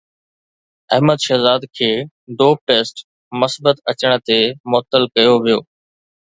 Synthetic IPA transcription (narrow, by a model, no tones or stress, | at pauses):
ɐɦməd̪ʃɐɦzaːd̪kʰeː | d̪oːp̚ʈeːsʈ | mɐsbət̪ɐt͡ɕəɽ̃ə̆t̪emʊət̪ːəlkɐjoʋijoː